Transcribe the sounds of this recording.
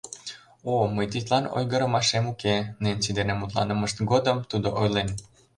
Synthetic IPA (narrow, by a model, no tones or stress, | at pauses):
oməjt̪̬it̪lɑno̰jɣəɾəmɑʃemukenent͡sid̪enemut̪lɑ̰nəməʃt̪ɡod̪əmt̪ud̪oʔojlen